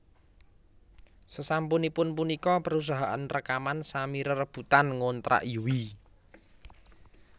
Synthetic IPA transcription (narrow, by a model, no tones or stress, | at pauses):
səsampʊnipʊnpunikɔpəɾus̬aɦaʔa̰nrəkamansamiɾərəb̥ut̪anŋont̪ɾa̰ʔijuwi